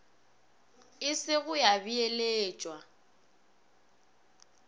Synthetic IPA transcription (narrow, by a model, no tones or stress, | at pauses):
ɪsɪɣʊjabieleːt͡ʃʼwa